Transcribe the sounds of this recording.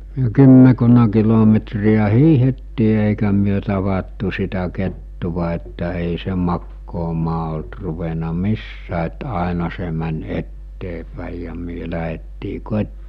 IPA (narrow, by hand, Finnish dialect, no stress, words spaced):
myø kymːekunːɑ kilometriæ hiːhetːiː eˑikæ myø tɑʋɑtːu sitæ ketːuʋɑ etːæ eˑi se mɑkːoːmɑː olt ruʋenɑ misːæː et ɑˑenɑ se mænʲ etːeːpæˑi jɑ myø læɦetːiː kotʲtiː